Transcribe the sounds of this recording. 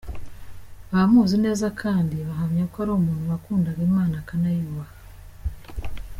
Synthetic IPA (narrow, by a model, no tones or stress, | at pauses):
βaamuːzine̞ːzakʰaːndiβaɦamɲakaɾomuːnuwakuːndaɡiːmaːnakanajuːβa